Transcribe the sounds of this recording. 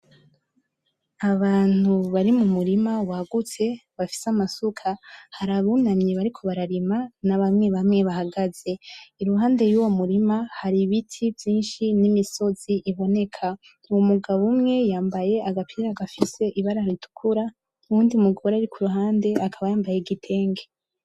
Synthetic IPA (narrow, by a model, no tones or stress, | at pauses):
aβaːn̥huβaɾimumuɾimawaɡut͡se̞βafi̥samasukʰahaɾaβunamɲeβaɾikʰo̞βaɾaɾimanaβamŋe̞βamŋe̞βahaɡaze̞iɾuɦaːnde̞juːwomuɾimahaɾiβitʰivjiːnʃinimiso̞z̥iʔːβo̞ne̞kʰa | uwomuɡaβumŋe̞jaːmbaje̞aɡapʰiɾaɡafise̞ʔiβaɾaɾitu̥kʰuɾa | uwuːndiumuɡawoɾaɾikʰuɾuɦaːnde̞akʰaβajaːmbajeɡitʰe̞ːŋɡe̞